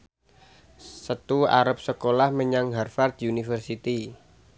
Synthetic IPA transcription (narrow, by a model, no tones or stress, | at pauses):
sət̪ua̰ɾəp̚səkolahməɲaŋɦarfard̪iunifərsit̪i